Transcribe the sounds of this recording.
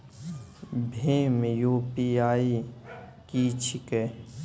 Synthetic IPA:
bʱeːmjuːpiaːi | kiːt͡ʃʰike

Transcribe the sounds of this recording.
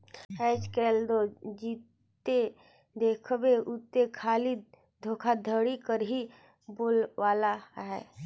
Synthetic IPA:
ɛːd͡ʒkɛːld̪od͡ʒiːt | e | d̪eːkʰbeʔʊt̪ːekʰaːli | d̪ʱoːkʰad̪ʱəɽikəɾɦi | boːlʋaːlaɦɛ̰ː

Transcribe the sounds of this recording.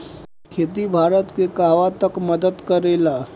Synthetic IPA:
kʰet̪ibʱaɾət̪kekaʋat̪əkməd̪əd̪kəɾela

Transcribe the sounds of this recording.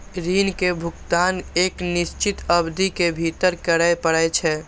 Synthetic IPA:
ɾinkebʱʊkt̪aneːkniʃt͡ʃit̪əbd̪ikebʱit̪əɾkəɾəjpəɽət͡ʃʰɛ

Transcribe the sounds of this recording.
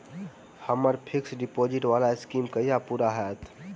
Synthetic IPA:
hɐməɾpʰɪksɖɪpoːd͡ʒɪʈʋaːlaɪskiːmkəijapuːɾaɦɛːt̪ʰ

